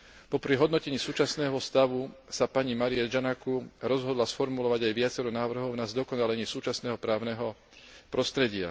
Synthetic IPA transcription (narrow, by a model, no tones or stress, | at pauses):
pɔpɾiɦɔd̪nɔcɛɲiːsuːt͡ʃasnɛːɦɔst̪aʋusapaɲimaɾiad͡ʒanakuɾɔzɦɔd̪lasfɔɾmulɔʋaɟajʋɪat͡sɛɾɔnaːʋr̩ɦɔʊnazd̪ɔkɔnalɛɲiːsuːt͡ʃasnɛːɦɔpɾaːʊnɛɦɔ | pɾɔst̪ɾɛɟɪa̰